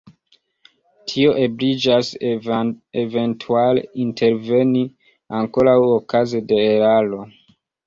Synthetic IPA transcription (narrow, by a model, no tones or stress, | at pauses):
tʰio̞ʔe̞bɾid͡ʒas | eve̞ntʰualḛintʰe̞ɾve̞ni | aŋko̞ɾawokʰazede̞ːɾalo̞